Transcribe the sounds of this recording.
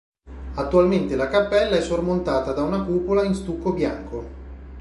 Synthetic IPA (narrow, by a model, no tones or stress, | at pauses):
at̪ːualment̪elakapːɛlːaɛsːormont̪aːt̪ad̪aunakupolainst̪ukːobjaŋko